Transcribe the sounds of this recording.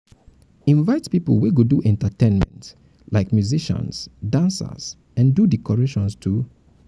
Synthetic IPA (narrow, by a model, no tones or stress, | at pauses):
ĩnvaɪtpiplˠwiɡoduʔɛ̃ntətẽnmɛ̰̃nt | laɪkmjuziʃə̰̃nsdãnsa̰s | ɛ̃ndudikɔɹeʃɔ̃nstʰu